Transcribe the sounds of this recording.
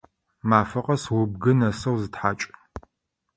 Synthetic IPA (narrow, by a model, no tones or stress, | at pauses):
maːfɐqʼɐswʊb̚ɡɨnɐsɐwzɨtħaːt͡ʃʼ